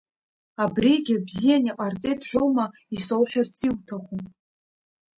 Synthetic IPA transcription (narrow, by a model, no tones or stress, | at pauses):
abriɡʲɪbzijaniqʼart͡sʼejtħʷᶣoma | isowħʷᶣart͡sʼiwtʰaχʷu